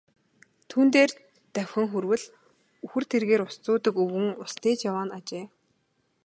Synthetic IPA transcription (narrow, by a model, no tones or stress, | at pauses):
t̪ʰuːnt̪eːr | t̪æwʲxʲɘ̆ŋxurwɘ̆ɮ | uxɘ̆r̥t̪ʰerɣeːɾʊst͡sʊːt̪ə̆kɵwɘ̆ŋʊst̪eːt͡ɕjawaːnat͡ɕeː